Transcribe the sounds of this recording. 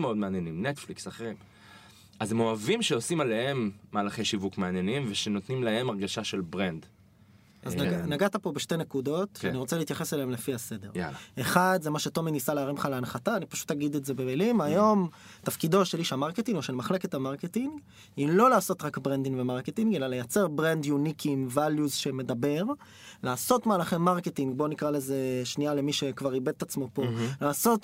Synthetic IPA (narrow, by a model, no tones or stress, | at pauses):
meo̞dmeanjenimnetfliksaχeʁim | ʔazemo̞avimʃeosimale̞ɦhe̞mːaːlaχeʃivukmeanjenimveʃeno̞t̪nimlae̞maʁɡaʃaʃe̞lbʁend | ʔazaɡanaɡat̪apo̞beʃte̞ne̞kudo̞tʃaniʁo̞t͡seleit̪jaχe̞saleemlefiase̞de̞ʁj̰eχad̪zemaʃe̞to̞minisaleːʁimχaleanχataːnipḁʃu̥t̪haɡid̪ezebemilimajo̞m | t̪afkido̞ʃeliʃeamaʁketiŋɡo̞ʃelmaχle̞ke̞t̪hamaʁketiŋɡ | ilo̞laːso̞t̪ʁakbʁend̪iŋɡvemaʁketiŋɡe̞lalejat͡seʁbʁend̪junikʰimvaljuzʃeme̞dabe̞ʁ | laːso̞t̪maːlaχemːaʁketiŋɡbo̞nikʁaleze̞ʃniale̞miʃe̞kvaʁibe̞d̪etat͡smo̞polaːso̞t